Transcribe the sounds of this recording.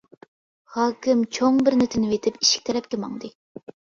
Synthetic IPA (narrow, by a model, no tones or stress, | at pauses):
hɑːkʲʰɪmt͡ʃʰoŋbɪɾnɪt̪ʰɪnɪvet̪ʰɪpi̥ʃi̥kʲt̪ʰɛɾɛp̚kʲɛmɑ̰ŋd̪ɨ